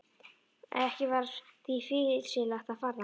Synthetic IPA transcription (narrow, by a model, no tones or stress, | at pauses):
ɛhcɪvaɾθifɪ̥ːsɪlaxt̪aðfaːɾa